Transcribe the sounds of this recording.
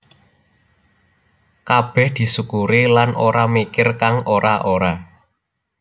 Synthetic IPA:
kab̥ɛ̤hd̪̥i̤sukuɾilanʔoɾamikɪrkaŋoɾaʔoɾa

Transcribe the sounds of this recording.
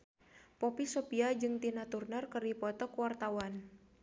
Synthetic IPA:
pɔpisopiad͡ʒɨŋt̪inat̪urnərkɨrdipɔt̪ɔkwart̪awan

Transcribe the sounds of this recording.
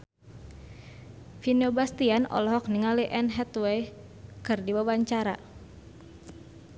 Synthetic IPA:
fineɔbast̪ianɔ̰lɔɦɔk̚niŋaliʔɛnɦɛt̪wej | kɨrdibawaɲt͡ʃaɾa̰

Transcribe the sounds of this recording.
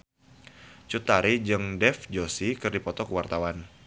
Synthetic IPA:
t͡ʃut̪aɾid͡ʒɨŋdɛfd͡ʒosikɨrdipɔt̪ɔkəwart̪awan

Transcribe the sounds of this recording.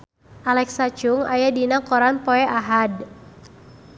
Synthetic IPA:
ʔalɛksat͡ʃʊŋajadinakɔɾanpɔɛʔaɦad

